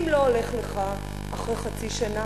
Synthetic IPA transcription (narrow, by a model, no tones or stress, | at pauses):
mlo̞oleχleχa | ʔaχʁejχat͡siʃana